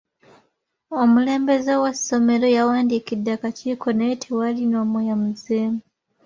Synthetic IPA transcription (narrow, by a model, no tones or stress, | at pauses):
omule̞ːmbe̞zewaso̞me̞ɾo̞jawaːndikidːakaciːkʰo̞netʰewalinoːmojamuzeːmu